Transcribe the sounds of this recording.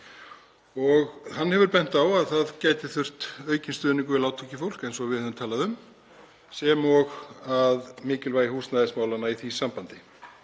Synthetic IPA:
ɔɣhanːhɛvʏɾpɛn̥t̪awaðθaðcaːjt̪ɪθʏr̥t̪œːɥcɪnst̪ʏːðniŋkʏɪlawt̪ʰucɪfowl̥kɛnsɔvɪðɛðvʏmt̪ʰaːlaðʏm | sɛmɔɣaðmɪːcɪlvaːjɪhuːsnaðɪsmaːwlanːaiθisampant̪ɪ

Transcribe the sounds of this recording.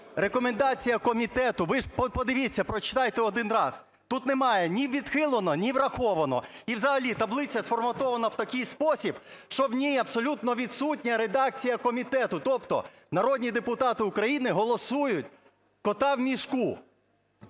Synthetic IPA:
ɾekɔmend̪ɑt͡sʲijɐkɔmʲit̪ɛt̪ʊʋɪppɔd̪ɪʋʲit͡sʲːɐpɾɔt͡ʃɪ̥t̪ɑjt̪ɛɔd̪ɪnɾɑz̥ | t̪ut̪nemɑjɛnʲiʋʲid̪xɪlˠɔnɔnʲiʋɾɐxɔʋɐnɔ̰iwzɐɦɐlʲit̪ɐblˠɪt͡sʲɐsfɔrmɐt̪ɔʋɐnɐwt̪ɐkʲɪjspɔsʲib | ʃt͡ʃɔwnʲijɐbsɔlʲut̪nɔʋʲid̪sutʲnʲɐɾed̪ɑk̚t͡sʲijɐkɔmʲit̪ɛt̪ʊt̪ɔpt̪ɔ̰ | nɐɾɔdʲnʲid̪epʊt̪ɑt̪ɪʊkɾɐjinɪɦɔlˠɔsujʊtʲ | kɔt̪ɑwmʲiʃku

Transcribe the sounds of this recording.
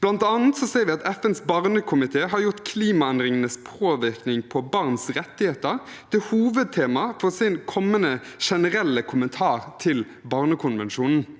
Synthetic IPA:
b̥lɑnt̪ɑːn̩t̪sɔseːʁɾʋɪɑt̪ɛfɛnsbɑʁnəkʰʊmɪt̪ʰeːɦɑɾjʊt̪kʰliːmɑɛnd̪ʁɪŋənəspʰoːʋɪʁknɪŋpʰɔbɑʁnsɾɛt̪ːɪheːt̪əɾt̪ɪhuːʋəd̪̚t̪ʰeːmɑfɔsɪnkʰɔmːənəʃɛnəɾɛlːəkʰʊmənt̪ʰɑːʁt̪ʰɪl | bɑːʁnəkʰʊnʋɛnʃuːnn̩

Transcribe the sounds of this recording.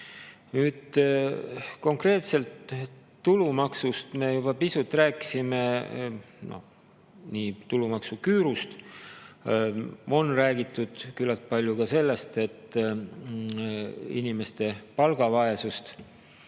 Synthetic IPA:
nyːd̪̥ | ko̞ŋkre̞ːt̪se̞lt̪ː | ulumɑksust̪me̞jubɑpisut̪ːˑræːki̥sime̞ | no̰ | niːt̪ulumɑksukyːɾust̪ | o̞nræːɡit̪ːˑud̪̥kylːɑt̪̚pɑlʲjukɑse̞lːe̞st̪e̞t̪ː | ḭnime̞st̪e̞pɑlɡ̥ɑvɑe̞sust̪

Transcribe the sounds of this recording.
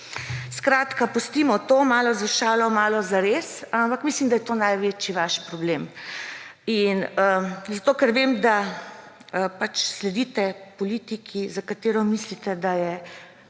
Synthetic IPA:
skɾaːt̪kapust̪iːmɔt̪oːmaːlɔzaʃaːlɔmaːlɔzaɾesampakmislimd̪ajɛt̪onajʋet͡ʃiʋaʃpɾɔbleːm | inəzat̪oːkɛɾʋemd̪a | əpat͡ʃslɛd̪it̪ɛpɔlit̪ikʰizakat̪eːɾɔmislit̪ɛd̪ajɛ

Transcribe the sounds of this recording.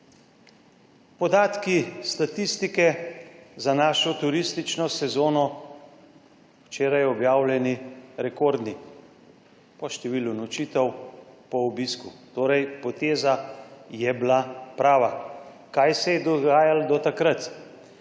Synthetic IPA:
pɔd̪aːt̪kist̪at̪ist̪ikɛ | zanaːʃɔt̪uɾist̪it͡ʃnɔsɛzoːnɔ | wt͡ʃeːɾajɔbjaːwlɛniɾɛkoːɾd̪ni | pɔʃt̪ɛʋiːlunɔt͡ʃiːt̪ɛwpɔɔbiskut̪oːɾɛjpɔt̪eːzajɛbilapɾaːʋa | kajsɛjɛd̪ɔɡaːjald̪ɔt̪akɾat̪

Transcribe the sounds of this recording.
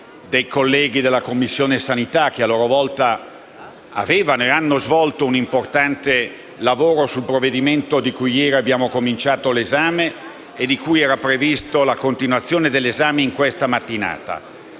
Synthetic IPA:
d̪ejkolːɛːɡid̪elːakomːisːjoːnesanit̪ak̟ːealːoːɾovɔlt̪a | a̰veːvanoeanːozvɔlt̪ounimport̪ant̪e | lavoːɾosulpɾovːed̪iment̪od̪ikujɛːɾiabjaːmokomint͡ʃaːt̪olezaːmeː | d̪ikujɛːɾapɾevist̪olakont̪inwat̪sːjoːned̪elːezaːmeiŋkwest̪amat̪ːina̰ːt̪a̰

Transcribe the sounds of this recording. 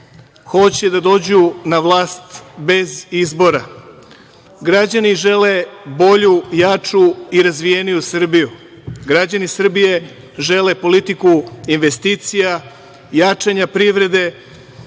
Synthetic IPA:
xo̞t͡ɕe̞d̪ad̪o̞ːd͡ʑunaʋlˠaːst̪be̞zizbo̞ɾa | ɡɾad͡ʑaniʒe̞le̞bo̞ʎujat͡ʂuiɾazʋije̞nijusr̩biju | ɡɾad͡ʑanisr̩bije̞ | ʒe̞le̞po̞lit̪ikuinʋe̞st̪iːt̪sija | jat͡ʃaɲapɾiʋɾe̞d̪e̞

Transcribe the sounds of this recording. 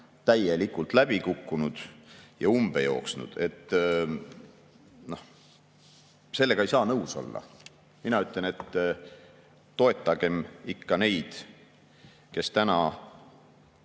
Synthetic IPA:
t̪æje̞likult̪ˑlæb̥ikukːunud̪̥jɑumb̥e̞jo̞ːksnṵd̪̥e̞t̪ː | no̞h | se̞lːe̞ɡɑejsɑːnɤwso̞̰lːɑ̰ | minɑyt̪ˑle̞ne̞t̪ː | o̞e̞t̪ːˑɑɡ̥e̞mikːɑne̞jd̪̥ | ke̞st̪ænɑ

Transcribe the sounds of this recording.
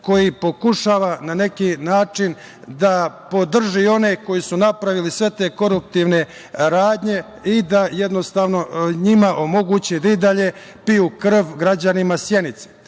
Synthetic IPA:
ko̞jipo̞kuʃaːʋanane̞kinaːt͡ʂin | d̪apo̞d̪r̩ʒio̞ne̞ko̞jisunapɾaʋilisʋe̞t̪e̞ːko̞ɾup̚t̪iʋne̞ | ɾaːd̪ɲe̞ | id̪ajed̪no̞st̪aːʋno̞ɲimaʔo̞mo̞ɡut͡ɕid̪aid̪aʎe̞ | pijukr̩ʋɡɾad͡ʑanimasje̞nit̪se̥

